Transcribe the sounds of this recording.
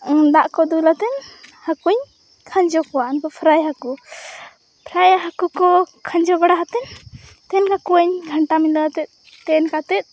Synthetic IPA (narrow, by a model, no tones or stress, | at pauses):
d̪aʔkɔd̪ulat̪ɛnhakuɲ | kʰãɲd͡ʒɔkɔwankɔpʰɾajɦaku | pʰɾajaɦakukɔkʰaɲd͡ʒɔbaɽaɦat̪ɛn | t̪ɛnkakuaɲɡʱəɳʈamid̪aat̪ɛt̪̚ | t̪ɛnkat̪ɛt̪̚